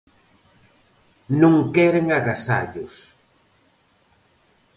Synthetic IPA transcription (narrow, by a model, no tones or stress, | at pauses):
nõŋkɛɾeŋaɣasa̰ʎʊs